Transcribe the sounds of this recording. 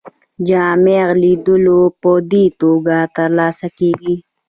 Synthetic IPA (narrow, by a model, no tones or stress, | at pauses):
d͡ʒaːmeːɣliːd̪ulopoːd̪iːt̪uːɡaːt̪ɐɾlaːsɐkiːɡiː